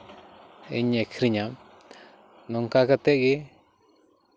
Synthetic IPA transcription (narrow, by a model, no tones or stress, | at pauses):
ḭɲẽkʰɾiɲã | nũŋkakat̪eʔɡi